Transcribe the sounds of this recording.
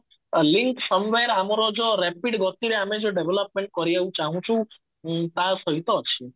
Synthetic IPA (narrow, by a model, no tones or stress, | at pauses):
liŋksəmʋeɾamaɾod͡ʒoɾɛpiɖɡɔt̪iɾeamed͡ʒoɖeʋeləp̚mẽɳʈ̚kɔɾieʋũt͡ʃaɦũt͡ʃʰũ | t̪asəit̪ot͡ʃʰi